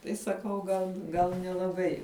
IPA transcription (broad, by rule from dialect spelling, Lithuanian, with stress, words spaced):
ˈtɐɪ sɐˈkɐʊ ɡɐlˠ ˈɡɐlˠ nʲɛlˠɐˈbɐɪ